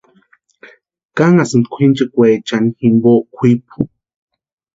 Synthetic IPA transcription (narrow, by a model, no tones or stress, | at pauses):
kaŋasɨnd̪kʷʰint͡ʃekʷeːt͡ʃanihimboʔkʷʰip̚u̥